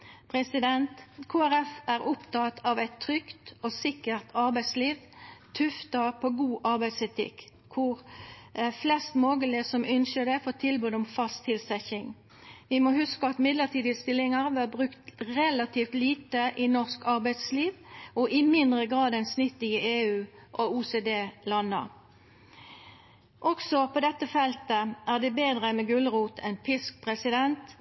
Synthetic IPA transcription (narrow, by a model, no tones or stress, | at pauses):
pʰʁɛsɪd̪ɛnt̪kʰoːæʁɛfæʁʊpt̪ɑt̪ʰɑʋæɪt̪ʰːʁʏkt̪ɔsɪkːəʁt̪ʰɑʁbæɪsliːʋt̪ʰʉft̪ɑpʰɔɡuːʔɑʁbæɪd̪sɛt̪ʰɪ̰kkʰʊʁ | flɛst̪moːɡəlɪəsɔmʏnʃəd̪ɛfɔːt̪ʰɪlbʉːd̪ɔmfɑst̪ʰɪlsɛçɪŋ | ʋɪmɔhʉskəɑt̪mɪd̪ləʁt̪ʰiːd̪əəst̪ɪlːɪŋəʁʋæʁbʁʉkt̪ʁɛlɑt̪ʰiːft̪liːt̪əʔɪnɔʁskɑʁbæɪd̪sliːʋʔɔʔɪmɪnd̪ʁəɡʁɑːd̪ɛnsnʏt̪ːɪəeːʉːʔɔuːseːd̪eːlɑnːə̰ʁ | ʔɔksɔpʰɔd̪ɛt̪ːəfɛlt̪əæːʁd̪ɛbeːd̪ʁəmɛɡʉlʁuːt̪ʰɛnpʰɪsk̚pʰʁɛsɪd̪ɛnt̪